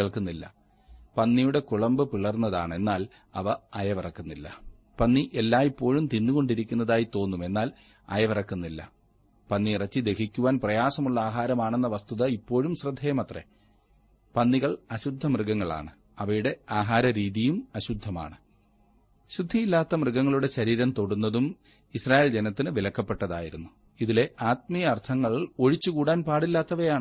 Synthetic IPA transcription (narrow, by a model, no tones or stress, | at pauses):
ɐɭkunːilːɐ̰ | pɐnːijuɽe̞kuɭɐmbɨpiɭɐrnːɐðaːɳɨe̞nːaːl | ɐʋɐɐjɐʋirɐkːunːilːɐ̰ | pɐnːiʔelːaːipːo̞ːɻumt̪inːuɣo̞ɳɖiɾikʲːunːɐðaːjit̪o̞ːnːume̞nːaːl | ɐ̰jɐʋirɐkːunːilːɐ̰ | pɐnːiirɐt͡ɕːid̪e̞kʰikʲːuʋaːnprɐjaːsɐmuɭːɐaːɦaːɾɐmaːɳenːɐʋɐst̪uðɐipːo̞ːɻumɕrɨd̪ʱːeːjmɐt̪rḛ | pɐnːiɣɐɭɐɕud̪ʱːɐmrɨɡɐŋːɐɭa̰ːɳɨ | ɐʋɐjuɽe̞aːɦaːɾɐɾiːðijumɐɕud̪ʱːɐma̰ːɳɨ | ɕud̪ʱːijilːaːt̪ːɐmrɨɡɐŋːɐɭuɽe̞ɕɐɾiːɾɐmt̪o̞ɽunːɐðum | israːje̞ːld͡ʑenɐt̪ːinɨʋilɐkːɐpːe̞ʈːɐðaːjiɾunːu | iðile̞ʔaːt̪̚mijɐːrt̪ʰɐŋːɐɭo̞ɻit͡ɕːukuːɽaːnpaːɽilːaːt̪ːɐʋɐjaːɳɨ